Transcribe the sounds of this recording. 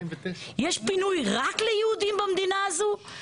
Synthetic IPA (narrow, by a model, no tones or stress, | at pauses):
iɐʃpinuiʁaklˠɐiud̪ĩmbɐmd̪inazu